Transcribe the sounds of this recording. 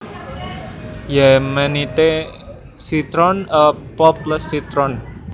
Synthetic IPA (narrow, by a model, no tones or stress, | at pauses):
jɛmənit̪e | sit̪ɾɔnəpɔpləsit̪ɾɔn